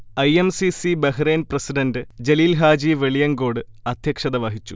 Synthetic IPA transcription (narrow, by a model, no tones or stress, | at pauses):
ɐjemsisibeɦɾeːnprɐsiɖɐndɨd͡ʑeliːlɦaːd͡ʑiːʋeɭijɐŋɡo̞ːɽɨ | ɐd̪ʱjɐkʂɐðɐʋɐɦit͡ɕːu